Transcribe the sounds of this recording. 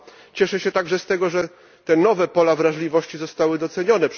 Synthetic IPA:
t͡ɕɛʂɛɕɛt̪aɡʐɛst̪ɛɡɔʐɛ | t̪ɛnɔvɛpɔlavɾaʐlʲivɔɕt͡ɕizɔst̪awɘd̪ɔt̪sɛɲɔnɛp

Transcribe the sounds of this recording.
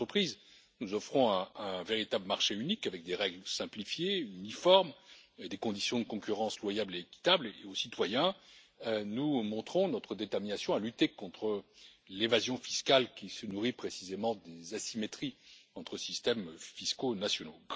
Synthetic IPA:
χəpχiz | nuzɔfχɔ̃ɛ̃ɛ̃veʁit̪abləmaʁʃeynikavɛk̚d̪eʁɛɡlsɛ̃plifjeynifɔʁmed̪ekɔ̃d̪isjɔ̃d̪əkɔ̃kʲyʁɑ̃slwajableːkʲi̥t̪ableosit̪wajɛ̃ | ønumɔ̃t̪χɔ̃nɔt̪χəd̪et̪ɛʁminasjɔ̃alyt̪ekɔ̃t̪χə | levazjɔ̃fiskalkʲisənuʁipχesizemɑ̃d̪ezasimet̪χiɑ̃t̪χəsist̪ɛmfiskonasjɔno

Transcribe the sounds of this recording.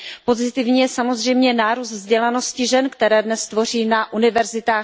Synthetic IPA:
po̞zɪt̪ɪvɲiːjɛsamo̞zr̝ɛjmɲɛnaːɾuːst̪vzɟɛlano̞scɪʒɛnkt̪ɛɾɛːdnɛst̪vo̞riːnaʔunɪvɛɾzɪt̪aː

